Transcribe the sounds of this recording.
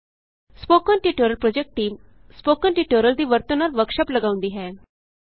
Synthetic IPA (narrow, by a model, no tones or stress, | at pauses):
spokənʈiʈoɾəlpɾod͡ʑek̚ʈːiːm | spokənʈiʈoɾəld̪iːʋəɾt̪ənaɾʋəkʂəpləɡaʋ̃nd̪iɦɛ